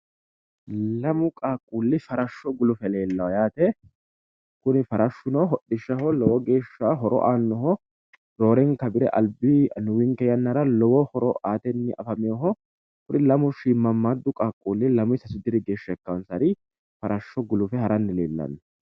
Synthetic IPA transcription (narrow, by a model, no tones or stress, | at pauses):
lɐmʊkʼaːkʼːuːlːɪfɐɾɐʃːɔɡʊlʊfɛle̞ːlːɐwɐjaːt̪ɛ | kʊnɪfɐɾɐʃːʊnɐɦɔɗːɪʃːɐhɔlɔwɔɡe̞ːʃːaɦɔɾɔ̰ʔaːnːɔɦɔ | d̪̥o̞ːɾɛŋkɐbɪɾɛ̰ʔɐ̰lbɪnʊwɪŋkɛjɐnːɐɾɐlɔwɔhɔɾɔʔaːt̪ɛnːɪʔɐ̰fɐmɪjɔɦɔ | fʊɾɪlɐmʊʃiːmːɐmːad̪ːʊkʼaːkʼːuːlːɪlɐmʊɪsɐsʊd̪ɪɾɪɡe̞ːʃːɐɛkːɐwnsɐɾɪ | fɐɾʔɐʃːɔɡʊlʊfɛhɐɾɐnːɪlḛːlːɐ̰nːɛ